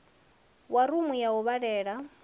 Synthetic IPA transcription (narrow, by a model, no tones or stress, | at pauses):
waɾumujauβaɺɛːɺa